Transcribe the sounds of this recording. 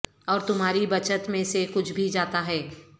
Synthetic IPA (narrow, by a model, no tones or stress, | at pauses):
ɔːɾt̪ʊmɦaːɾibɐt͡ʃət̪mẽsekʊt͡ʃʰbʱid͡ʒaːt̪aɦɛː